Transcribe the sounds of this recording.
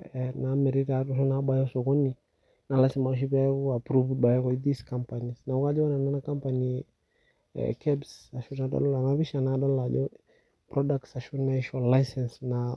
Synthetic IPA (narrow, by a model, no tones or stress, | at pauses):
ɛnamɛɾiɾaɾɔʃɔnaabajɔsɔkɔni | nalasimalʃ̬ipaapɾuvd̚bajɔðiskampanisnaukad͡ʒɛɔnananakampani | kʰɛbsaʃunadɔ̰lɔlanaβiʃanadɔllad͡ʒɔ | pɾɔdak̚tsaʃunaʃɔlajsɛnsna